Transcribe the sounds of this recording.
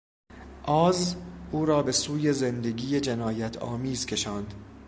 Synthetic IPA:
ʔɒːzʔuːɾɒːbe̞suːje̞zend̪e̞ɡiːjed͡ʒenɒːjæt̪ʰɒ̰ːmiːz̥kʰʲe̞ʃɒːnd̪̥

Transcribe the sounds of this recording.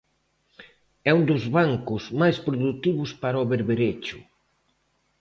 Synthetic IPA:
ɛund̪ʊzβaŋkʊzmajspɾoðut̪iβʊspaɾɔβeɾβeɾet͡ʃʊ̥

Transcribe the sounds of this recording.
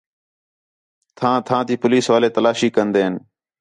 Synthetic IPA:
t̪ʰãːt̪ʰãːt̪iːpʊliːsʋaːleːt̪əlaːʃiːkənd̪eːɦən

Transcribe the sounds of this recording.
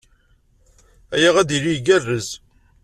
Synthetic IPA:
æjaʁæðiɾiɡærːəz

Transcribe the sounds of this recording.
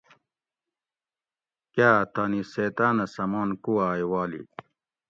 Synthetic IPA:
kaːt̪aːniseːt̪aːnɐsɐmaːnkuaːjwaːlḭ

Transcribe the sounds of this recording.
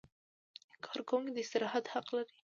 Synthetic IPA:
kʰɑɾkʊŋɡd̪əɪst̪ɪɾɑhat̪haqlaɾi

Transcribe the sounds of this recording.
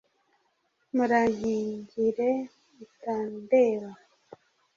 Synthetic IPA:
muɾaɲiːɲɟiɾe | itaːndewa

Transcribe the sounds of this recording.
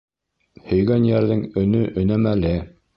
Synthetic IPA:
hɵ̆jɡænjæɾðɘŋɵ̆nɵʔɵ̆næmælɘ

